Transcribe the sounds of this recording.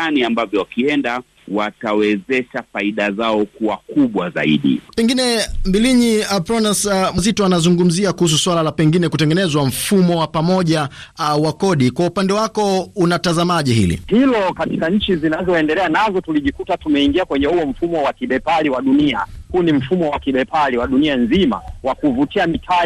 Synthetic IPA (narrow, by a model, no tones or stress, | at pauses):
aniambavjɔwakiɛnda | watawɛzɛʃafaiɗazaɔkuwakuɓwaza̰ḭɗḭpɛŋɡinɛmbiliɲiapɾɔnasmazitɔanazuŋɡum̩ziakuhus̬uswalalapɛŋɡinɛkutɛŋɡɛnɛzwam̩fumɔwapamɔʄa | awakɔɗikwaupandɛwakɔunatazamaʄiɦḭlḭhilɔkati̥kaɲ̩t͡ʃizinazɔɛndɛlɛanazɔtuliʄikutatumɛiŋɡiakwɛɲɛhuɔm̩fumɔwakiɓɛpaliwaɗunia̰huːnim̩fumɔwakiɓɛpaliwaɗunianzima̰wakuvutiamitʰa